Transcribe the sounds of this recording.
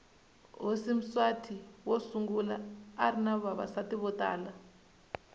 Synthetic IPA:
ɦosim̩swatʰiwosuŋɡula̰ːrinaβaβa̰satiβɔtʼa̰ːla

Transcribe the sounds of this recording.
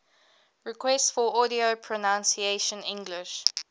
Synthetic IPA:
ɹɪkʰwɛstfɔɔɾiopʰɹɔnãnsieʃə̃nɪ̃ŋɡlɪʃ

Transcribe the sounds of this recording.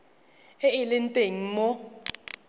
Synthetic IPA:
ɛɪlɪntʼeŋ̩mɔ

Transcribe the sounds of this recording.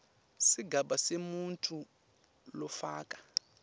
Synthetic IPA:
siɡʱaɓasemuntʼu | lɔfaːkʼḁ

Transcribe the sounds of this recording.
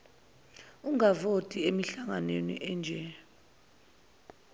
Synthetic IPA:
uŋavotʼiemiɬaŋanenḭʔɛnd͡ʒʱɛ

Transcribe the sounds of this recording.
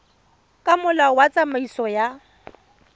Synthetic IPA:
kʼamʊlawat͡sʼamaisɔja

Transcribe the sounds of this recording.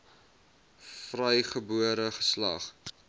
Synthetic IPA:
frəjχəbuəɾəχə̥slɐ̰χ

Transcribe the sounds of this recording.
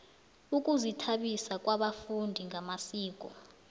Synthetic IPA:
uk̬ʼuzitʰaɓisakʼwaɓafundʱiŋʱamasiːk̬ʼɔ

